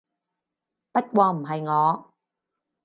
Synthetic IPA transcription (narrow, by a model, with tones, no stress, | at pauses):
pɐ˥t̚kʷɔː˧m̩˨˩ɦɐ˨jŋɔː˨˧